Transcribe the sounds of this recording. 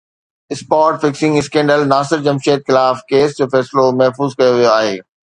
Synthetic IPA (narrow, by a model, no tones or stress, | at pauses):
ɪspaːɾʈfɪksɪ̃ŋɡɪskɛ̃ːɳɖəlnaːsɪɾd͡ʑɐmʃeːt̪̚xɪlaːfkeːsd͡ʑoːfɛːslomɐɦfuːzkɐjoʋijoaːɦeː